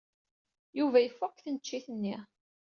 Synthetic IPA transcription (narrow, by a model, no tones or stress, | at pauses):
juvæjəfːʊkːθənət͡ʃːiθənːi